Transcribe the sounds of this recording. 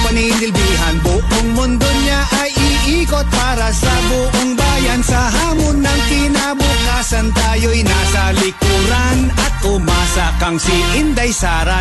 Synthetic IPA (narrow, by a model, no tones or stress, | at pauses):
pɐniɪnɪlbiːɦɐnbʊʔoŋmʊnd̪oɲaʔɐjɪʔiːkot̪̚paːɾɐsɐbʊʔoŋbaːjɐnsɐɦaːmonːɐŋkɪnabʊkaːsɐnt̪aːjojnaːsɐlɪkuːɾanɐt̪̚ʊmaːsakɐŋsɪʔɪnd̪ɐjsaːɾa